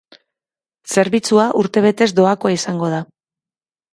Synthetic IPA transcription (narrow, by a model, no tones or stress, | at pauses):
se̞ɾβit͡suaʔuɾt̪e̞β̞e̞t̪e̞zd̪o̞ako̞aisaŋɡo̞ð̞a